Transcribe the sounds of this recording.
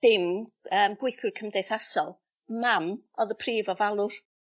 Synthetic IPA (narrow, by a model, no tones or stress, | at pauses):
ð̥ɪməːmɡ̥wɪjθwɪrkʰəmdejθasɔlˠ | mamɔðəpʰriːvɔvalˠʊr